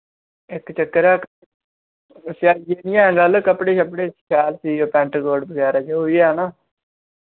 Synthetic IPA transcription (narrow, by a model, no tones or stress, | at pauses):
ɪkt͡ʃəkːəɾɛːk | saːjeːnɪjãːɡəlkəpɽeːəpɽeːsʃʰaːlsiːoːpɛ̃ɳʈɡoːɖbəɡɛːɾaːt͡ʃoɦoːiːɛːnaː